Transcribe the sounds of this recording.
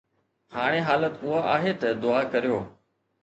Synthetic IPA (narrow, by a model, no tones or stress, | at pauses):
haːɽ̃eːɦaːlət̪ʊɦaːʔaːɦeːt̪ɐd̪ʊaːkəɾijoː